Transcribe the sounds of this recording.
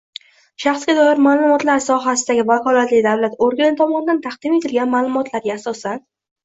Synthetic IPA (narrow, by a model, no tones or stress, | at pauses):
ʃaχsɡʲad̪ɒjɪɾmaːlˠʊmɒt̪laɾsɒɦasɪd̪aɡʲɪvakʰɒlˠat̪lɪd̪awlat̪oɾɡʲanɪt̪ʰɒmɒnɪd̪ant̪ʰaqd̪̥ɪme̞t̪ɪlɡʲanmaːlˠʊmɒt̪ʰlaɾɡʲaːsɒsan